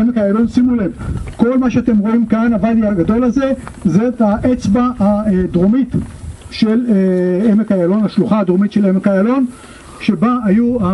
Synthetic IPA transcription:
emekajalo̞nsimulevko̞lmaʃeat̪emʁo̞imkanavadiaɡad̪o̞laze̞zetaʔet͡sbaad̪ʁomit̪ʃeleemekajalo̞naʃluχaːd̪ʁomitʃelemekajalo̞n | ʃebaajua

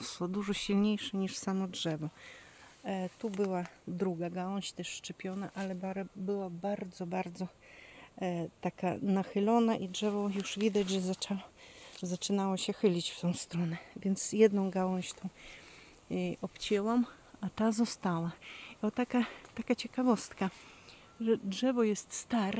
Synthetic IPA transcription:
swɔd̪uʐɔɕilɲejʂɛɲiʂsamɔdʐɛvɔ | t̪ubɘwad̪ɾuɡaɡawɔ̃ɕt̪ɛʂːt͡ʂɛpʲjɔnaʔalɛbaɾbɘwabaɾd̪zɔbaɾd̪zɔ | t̪aka̰naxɘlɔnaʔidʐɛvɔjuʐvʲid̪ad͡ʑʐɛzat͡ʂawzat͡ʂɘnawɔɕɛxɘlʲit͡ɕft̪ɔ̃w̃st̪ɾɔnɛvʲjɛnt̪sjɛd̪nɔ̃w̃ɡawɔ̃w̃ɕt̪ɔ̃w̃ | ʔɔpt͡ɕɛwam | at̪azɔst̪awaɔt̪akat̪akat͡ɕɛkavɔst̪ka | ʐɛdʐɛvɔjɛst̪st̪aɾ

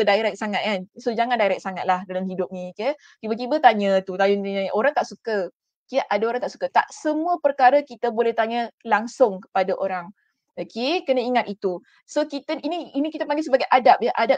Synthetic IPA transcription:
kədaiɾɛk̚saŋat̪̚kansod͡ʒaŋandaiɾɛk̚saŋat̪̚lahdalamhidʊp̚nikə | t̪ibət̪̬ibət̪aɲət̪ut̪ajʊnt̪aɲãʔoɾaŋt̪aʔsukə | kiaʔadaoɾaŋt̪aʔsu̥kət̪a̰ʔsəmũəpərkaɾəkit̪əbolɛht̪aɲəlaŋsʊŋkə̥padaʔoɾaŋ | okekənəiŋat̪it̪u | sokit̪əiniinikit̪apaŋɡɪlsəbaɡajʔadap̚jəʔadap̚

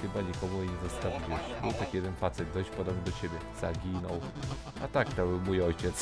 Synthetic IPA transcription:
xɘbaɲikɔmujɛɲɛzɔst̪avʲiwɛɕbɘwt̪akjɛd̪ɛnfat̪sɛd̪̚d̪ɔɕt͡ɕpɔd̪ɔbnʲid̪ɔt͡ɕebʲjɛz̥aɡʲinɔw | a̰t̪akt̪ɔwmujɔjt͡ɕɛt̪s

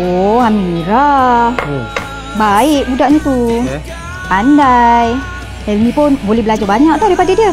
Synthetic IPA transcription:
oɦamiɾa | baɪʔbudaʔɲət̪u | andaj | ainipʊnbolɛɦbəlad͡ʒabaɲakʔ̚t̪awɾaipadadiə

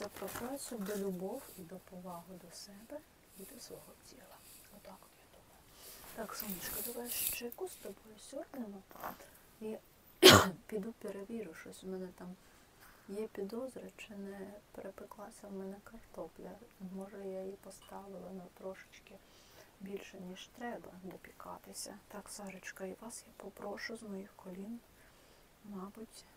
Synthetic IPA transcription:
sʲɛpɾɔkɾɔjsʲʊd̪ɔlʲʊbɔwid̪ɔpɔʋɑɦʊd̪ɔsɛbɛ | id̪ɔsʋɔɦɔtʲilˠɐ | ɔt̪ɑkjad̪umɐjʊt̪ɑksɔmnʲit͡ʃkɐd̪ɐʋɑjʃt͡ʃɪjkusʲt̪ɔbɔjʊsʲɔrdnʲɪnɐp̪ɑ̰t̪ | i | pʲid̪upʲeɾɐʋʲiɾʊʃɔsʲʊmɛnɛt̪ɑm | jɛpʲid̪ɔzɾʲɐt͡ʃɪnɛpeɾʔepɪklˠɑsʲɐwmɛnɛkɐrt̪ɔplʲɐmɔʒɛjajipɔst̪ɑʋɪlˠɪnɐt̪ɾɔʃɪ̥t͡ʃkɪ | bʲilʲʃɛnʲiʃt̪ɾɛbɐd̪ɔpʲikɑ̰t̪ɪsʲɐ̰t̪ɑksɑʒɪt͡ʃkɐiʋɑsjapɔpɾɔʃʊzmɔjixkɔlʲin | mɑbʊtʲ

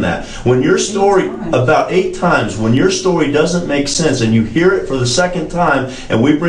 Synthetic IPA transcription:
ðɨ̰t̚ | wə̃njə˞stɔɹi | əbaʊɾeɪtʰãɪ̃mzwə̃njə˞stɔɹidʌzə̃nmeɪksɛ̃nsɨ̃njɨhiɹɪtfə˞ðɨsɛkɨ̃ntʰãɪ̃m | ʔɨ̰̃nwibɹɪ̃

